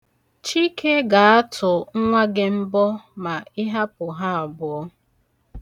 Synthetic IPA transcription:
t͡ʃi˦kʰe˦ɡa˨a˦tʰʊ˨ŋ̩˦ŋʷa˦ɡɪ˦m̩˦bɔ˦ma˨ɪ˦ɦa˦pʊ˨ɦa˦a˨bʊ˨˦ɔ˦

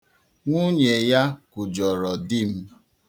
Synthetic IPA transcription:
ŋʷu˦ɲe˨ja˦kʊ˨d͡ʒɔ˨ɾɔ˨di˦m̩˦

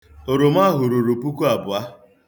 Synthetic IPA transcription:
o˨ɾo˨m˦a˦ɦʊ˨ɾo˨ɾo˨pu˦ku˦a˨bʊ˨a˦

